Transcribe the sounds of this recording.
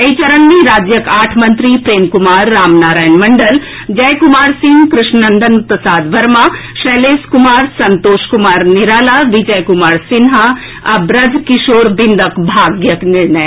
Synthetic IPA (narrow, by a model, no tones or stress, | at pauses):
ɐjt͡ʃɐɾənmiɾaːd͡ʒjəkaːʈʰmɐnt̪ɾipɾeːmkumaːɾːaːmnaːɾaːjənmɐɳɖəl | d͡ʒɐjkʊmaːɾsɪŋɡkɾɪʃnɐnd̪ənutːəsaːd̪ʋɐɾmaʃɐːleːskʊmaːɾsɐnt̪oːʃkʊmaːɾniɾaːlaːʋid͡ʒəjkʊmaːɾsɪnɦa | ɐbɾɐd̪ʱkɪʃoːɾbɪnd̪əkbʱaːɡjəknɪɭɳɐj